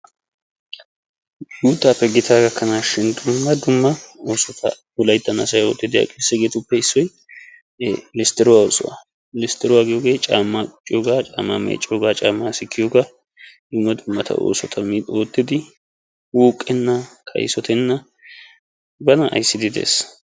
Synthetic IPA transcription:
juːt̪ːaːpːɛɡɪt̪ʰaːɡɐkːɐnaʃɪnd̪ʊmːɐd̪ʊmːɐoːsɔt̪ʰɐ̰ | ʊlɐjt̪ːɐnɐsɐjo̰ːt̪ːɪd̪ɪɐ̰kʼeːsːɛɡeːt̪ʊpːɛɪsːɔj | lɪst̪ɛɾɔwaʊsʼʊ̰wa̰ | lɪst̪ɛɾɔwaɡɪjoɡe̞ːt͡ʃʼa̰ːmːakʼʊt͡ʃʼːɪjoɡaːt͡ʃʼa̰ːmːa̰mḛːt͡ʃʼːoːɡaːt͡ʃʼaːmːasɪkʰːɪjoɡa | d̪ʊmːɐd̪ʊmːɐt̪ʰɐ̰ʔo̰ːsɔt̪ʰɐmio̞ːt̪ːɪd̪ɪ | wuːkʼːɛnːɐkʰɐ̰jsɔt̪ʰɛnːɐ | bɐnɐʔɐ̰jsːɪd̪ɪd̪ḛːs

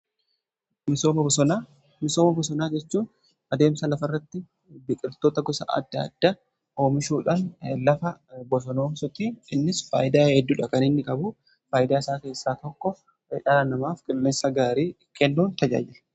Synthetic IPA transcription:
mɪsoːmɐbɔna | mɪso̞ːmɐbɔsɔnaːd͡ʒɛt͡ʃːuːn | ɐd̪e̞ːmsɐlɐfɐrːɐt̪ːɪ | bɪkʼɪɾt̪oːt̪ɐɡɔsɐ̰ɐ̰d̪ːɐɐ̰d̪̥ːa | o̞ːmɪʃuːᶑaːnlɐfɐbɔsɔnoːmsɔt̪iːɪnːɪsfa̰ːjɪd̪aːhɛd̪ːuːᶑɐkɐnɪnːɪkʼɐbʊ | faːjɪd̪aːɪsaːke̞ːsːaːt̪ɔkːɔ | ɛᶑɐanɐmaːfkʼɛlːeːnsɐɡaːɾiː | kʰɛlːuːnt̪ɐd͡ʒa̰ːd͡ʒɪlɐ̥

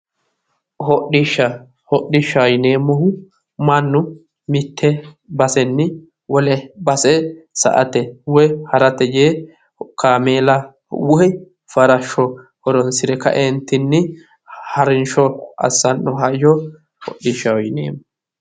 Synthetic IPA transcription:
hɔɗɪʃːɐ | hɔɗɪʃːɐwɔjɪneːmːɔhʊ | mɐnːʊ | mɪt̪ʰːɛ | bɐsɛnːɪ | wɔlɛbɐsɛsɐ̰ʔɐ̰t̪ɛwɛhɐɾɐt̪ɛje | kʰaːmeːlɐ | wʊɛ | fɐɾɐʃːɔ | hɔɾɔnsɪɾɛkɐ̰ʔent̪ːɪnːɪ | hɐɾɪnʃɔɐ̰sːɐnːɔɦɐɪjɔ | hɔ̰ɗɪʃːɐwɔjɪnḛːmːɔ

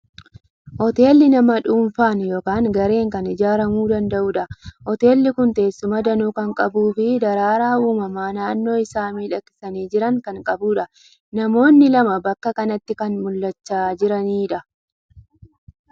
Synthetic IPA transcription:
hɔt̪e̞ːlːɪnɐmɐᶑuːɱfaːnjoːkaːŋɡɐɾe̞ːŋkɐnɪd͡ʒaːɾɐmuːd̪ɐnd̪ɐʔʊːᶑɐhɔt̪e̞ːlːɪkʊnt̪e̞ːsːʊmɐd̪ɐnuːkɐŋkʼɐbuːfɪd̪ɐɾaːɾaːuːmɐmaːnaːnːo̞ːɪsaːmiːᶑɐkːɪ̥sɐniːd͡ʒɪɾɐŋkɐŋkʼɐbuːᶑɐ | nɐmo̞ːnːɪlɐmɐbɐkːɐkɐnɐt̪ːɪkɐnmʊlːɐt͡ʃːaːd͡ʒɪɾɐniːᶑɐ

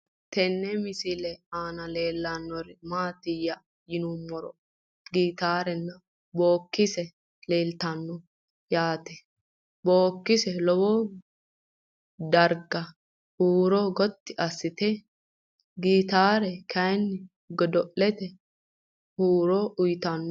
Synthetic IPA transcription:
t̪ɛnːɛmɪsɪlɛaːnɐle̞ːlːɐnːɔɾɪmaːt̪ɪjːɐ | jɪnumːɔɾɔ | ɡiːt̪aːɾɛnːɐ | bo̞ːkːɪsɛ | leːlt̪ɐnːɔ | jaːt̪ɛ | bo̞ːkːɪsɛlɔwɔ | d̪ɐɾɡɐ | huːɾɔɡɔt̪ːɪʔɐsːɪt̪ɛ | ɡiːt̪aːɾɛkʰɐjnːɪ | ɡɔd̪ɔʔːɛt̪ɛ | huːɾɔʔʊjt̪ɐnːɔ

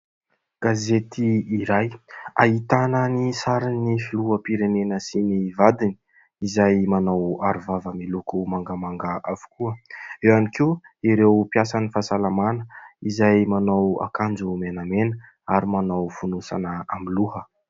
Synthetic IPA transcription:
ɡ̥azet̪iːɾaja̰ɦit̪anənisaɾinifiluəpiɾenenəsinivad̪ini̥ | izajmanawaɾuvavəmilukumaŋɡamaŋɡaʔavu̥kuəewanikiu | iɾewpjasanifasalamanəizajmanawa̰kand͡zumenamenə | aɾimanawfunusa̰nəamiluhə

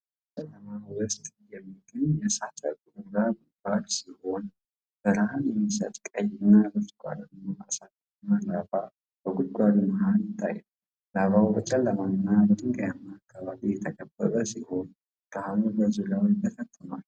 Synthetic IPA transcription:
t͡ʃələmawəst̪ʼjɛmːiɡənjɛsat͡ʃʼə̰ɡʼuɾuɡaɡud̪ɡad̪siho̞n | b̥əɾahanjɛmːisə̰t̪ʼkʼəjɨnːabɨfkʷʼa̰d̪əmːuʔasat͡ʃʼ | nːalaba | bəɡud̪ɡʷʼad̪məhanɪt̪ʼːa̰jɛ | laβawbət͡ʃʼɛlːəmanɨnːabət̪ʰʼɨŋɡəjamːaːkːaβaβijɛt̪ʰəkʼəbːəɾʼəsiho̞n | d̪ahnubəzulawjt̪ʰːəsət̪ʰːənəwl

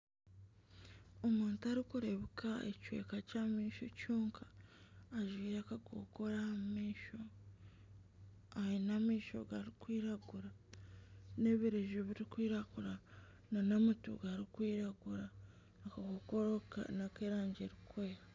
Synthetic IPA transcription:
omuːntaɾikuɾeβikaḛcwe̞̰ːkacamiːʃo̰cuːŋkʰḁː | ʒwiːakaɡo̰ko̞ɾamiːʃo | ainamiːʃo̞̰ɡaɾikwiːɾaɡuɾa | ne̞βiɾeʒoβiɾikwiːɾaɡuɾa | nanamutṵɡaɾikwiːɾaɡuɾa | akaɡokoɾoka̰nakeːɾaːɲɟeɾikweːɾa

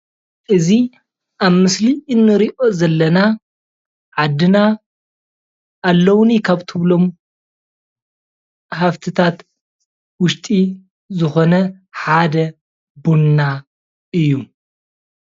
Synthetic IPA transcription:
ʔɨzi | ʔaβmɨsliɨnːɨɾiʔo̞zɐlːɐna | ʕad̪ɨna | ʔːlːɐwnikʰaβt̪ʰɨβlo̞m | ħaft̪ʰɨt̪ʰat̪ | wʊʃt̪ʼi | zɨxo̞nɐ | ħad̪ɐ | bunːa | ʔɨjːu

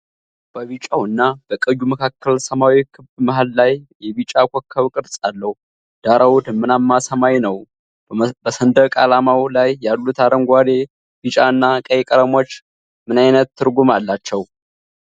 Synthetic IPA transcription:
b̥əβit͡ʃʼawɨnːab̥əkʼəjuməkʰakːəlsəmawikʰɨbmaɦalːajjɛβit͡ʃʼakʷʰokʰːəβkʼɨɾsʼalːəhu | d̪̥aɾawud̪mɨnamːasəmajnəw | bəsənd̪əkʼalamawlajːalːut̪ʰaɾəŋɡʷad̪e | bit͡ʃʼaɨnːakʼəjɛkʼəɾəmo̞t͡ʃː | mɨnajnət̪ːɨɾɡumalːat͡ʃːɛw

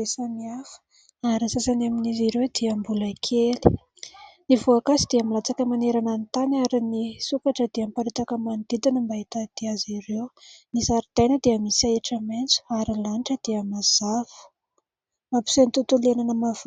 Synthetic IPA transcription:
esəmiafə̥ | aɾisasanaminiziɾewd̪iəmbuləkʰeli̥ | nivoakasid̪iamilat͡sakəmaneɾanant̪anaɾinisukaʈ͡ʂəd̪iampaɾit̪akəmand̪̥id̪inəmbait̪ad̪̥iaziɾewnisaɾit̪ajnəd̪iəmisaeʈ͡ʂəment͡su̥aɾilanʈ͡ʂəd̪̥iəmaz̥avu̥ | mapu̥sent̪ut̪ulenanəmav

